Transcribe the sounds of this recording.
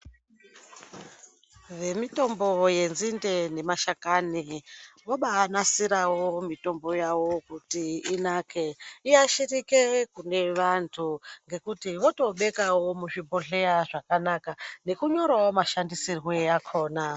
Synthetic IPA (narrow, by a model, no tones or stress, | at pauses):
ʋe̞mito̞mbo̞je̞nzinde̞ne̞maʃakaniwoɓaːnasiɾawomito̞mbo̞jawo̞kutiːnakʰe̞iaʃirikekune̞ʋantʰuŋɡe̞kutiʋoto̞ɓe̞kawo̞muʐiboɮeaʐakanakane̞kuɲo̞ɾwawomaʃandisirweakʰo̞ːna